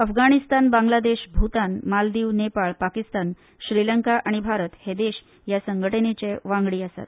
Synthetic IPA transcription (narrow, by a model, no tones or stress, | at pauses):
əfɡaɽ̃ist̪anbãŋɡlad̪eɕbʱut̪anmald̪iːʋnepaɭpakist̪an | ɕɾiləŋkaʔaɽ̃ibʱaɾət̪hed̪eɕ | jasəŋɡʱəʈənet͡ɕeʋãŋɡɽiːəsa̰t̪